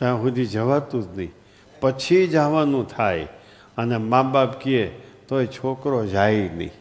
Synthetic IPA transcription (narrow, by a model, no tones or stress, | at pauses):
t̪ãɦũd̪id͡ʒəʋat̪ũt̪nəĩ | pət͡ʃʰid͡ʒaʋanũt̪ʰaj | ənemãbapkiet̪oet͡ʃʰokɾod͡ʒainə̰ĩ